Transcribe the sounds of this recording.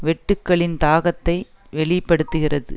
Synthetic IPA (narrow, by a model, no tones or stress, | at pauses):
ʋɛʈːɯkːɐɭɪnt̪aːɣɐt̪ːɐɪ | ʋɛɭɪpːɐɽɯt̪ːɯɣɪrɐðɯ̰